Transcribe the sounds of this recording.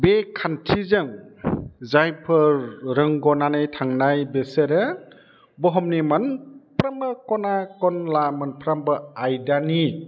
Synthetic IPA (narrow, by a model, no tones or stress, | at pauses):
bekʰantʰizɯŋ | zajpʰɯɾɾɯŋɡɔnanɯjtʰaŋnajbeseɾɯ | bɔɦɔmnimanpɾamɯkɔnakɔnlamanpʰɾambɯajdani